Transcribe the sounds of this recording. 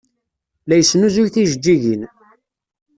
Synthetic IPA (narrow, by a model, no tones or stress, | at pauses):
læjəsːnuzʊʝθiʒəd͡ʒːiʝin